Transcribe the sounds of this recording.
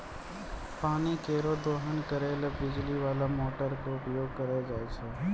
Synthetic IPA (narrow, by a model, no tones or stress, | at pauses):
paːnikeːɾod̪oːɦənkəɾeːlbɪd͡ʒliʋaːlamoːʈəɾkoʊpjoːɡ̚kəɾed͡ʒaːt͡ʃʰeː